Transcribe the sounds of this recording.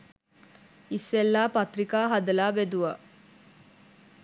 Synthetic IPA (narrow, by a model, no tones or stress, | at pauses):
isːelːaːpɐt̪ɾikaːɦɐd̪ɐlaːbed̪uʋɐ